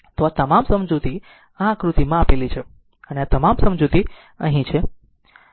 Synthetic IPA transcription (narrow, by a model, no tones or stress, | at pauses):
t̪oat̪əmamsəmd͡ʒut̪i | ãkɾut̪imãapelit͡ʃʰe | əneat̪əmamsəmd͡ʒut̪i | ə̰̃ɦĩt͡ʃʰe